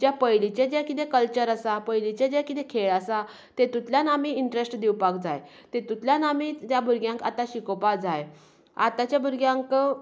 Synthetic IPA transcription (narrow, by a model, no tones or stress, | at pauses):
d͡ʑjapəjlit͡ɕed͡ʑakit̪ẽkəlt͡ɕəɾəsapəjlit͡ɕẽd͡ʑakit̪ekʰeɭəsa | t̪et̪ut̪ljanamiiɳʈɾesʈd̪iwpakd͡zaj | t̪et̪ut̪ljanamit̪jabʱuɾɡjãŋka̰t̪aɕikopad͡zaj | at̪at͡ɕjabʱuɾɡjãŋkə